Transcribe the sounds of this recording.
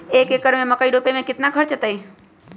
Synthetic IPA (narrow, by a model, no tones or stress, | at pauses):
eːkekəɾmẽməkaiɖoːpemẽkɪt̪nakʰəɾt͡ʃət̪əi